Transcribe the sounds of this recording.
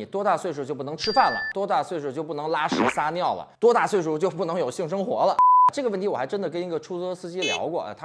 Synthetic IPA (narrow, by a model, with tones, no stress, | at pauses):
i˨˩t̪wɔ˥t̪a˥˧˩swe˥˧ɪʂ̬u˨˥˩t͡ɕo˥˧ʊp̬u˥˩n˧˥ʈ͡ʂʰɻ̩˥fa˥˩nlə̰˩t̪wɔ˥t̪a˥˧˩swe˥˩ɪʂ̬u˥˩t͡ɕo˥˧pu˥˩nɤ˧˥ŋla˥ʂɻ̩˧˥sa˥njɑ˥˩ʊlə̰˩t̪wɔ˥t̪a˥˧swe˥˧ɪʂu˥˩t͡ɕjo˥˧ʊpu˥˩nɤ˧˥ŋjo˨˩ʊɕi˥˩ŋʂɤ˥ŋxwɔ̰˧˥lə˧a˧˩ʈ͡ʂɤ˥˩ɡə˧wnt̪ʰi˥wɔ˨˩xɪʈ͡ʂə˥nd̪ə˨kə˥ni˧˥ɡə˧˨ʈ͡ʂʰu˥t͡sɤ˥sɹ̩˥˧t͡ɕi˥ljɑ̰˧˥ʊkwɔ̰˥˩˧t̪ʰa˥